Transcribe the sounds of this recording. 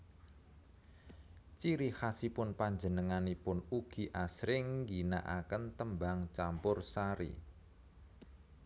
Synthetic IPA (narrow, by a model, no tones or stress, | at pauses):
t͡ʃiɾihasipʊnpaɲd͡ʒə̤nəŋanipʊnuɡ̥i̤ʔasɾɪŋɡina̰ʔa̰kənt̪əmbaŋt͡ʃampʊrsaɾḭ